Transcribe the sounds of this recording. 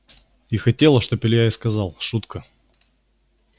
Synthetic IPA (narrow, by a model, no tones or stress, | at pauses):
ixɐtʲelˠəʂt̪opʲɪlʲjaɪskɐzɑlˠʂut̪kə